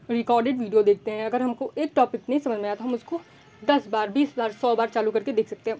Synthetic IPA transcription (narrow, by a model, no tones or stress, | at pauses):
ɾɪkɔːɾɖeɖʋiːɖijod̪eːk̚ʰt̪eɦɛ̃ɐɡəɾɦɐmkoʔeːk̚ʈɔːpɪknɐɦĩsɐmə̃d͡ʒmẽat̪aɦɐmʊsko | d̪ɐsbaːɾbiːsbaːɾsɔːbaːɾt͡ʃaːlukɐɾked̪eːkʰsɐk̚t̪ẽɦɛ̃ː